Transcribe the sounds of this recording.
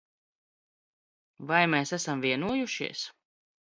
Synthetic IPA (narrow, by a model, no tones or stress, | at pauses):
vajmeːsæsamviɛnuɔjuʃḭɛs